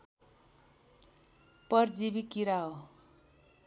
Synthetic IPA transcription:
pʌrd͡zibikiɾao

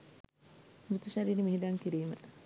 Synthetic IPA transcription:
but̪uʃaɾiːɾimiɦid̪aŋkiɾiːmə

